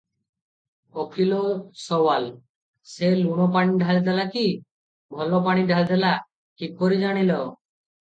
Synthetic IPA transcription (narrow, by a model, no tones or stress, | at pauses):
okʰilosɔwal | seluɽ̃ɔp̬aɽ̃iɖʱald̪elaki | bʱɔlɔp̬aɽ̃iɖʱald̪ela | kʰikːoɾid͡ʒaɽ̃ilo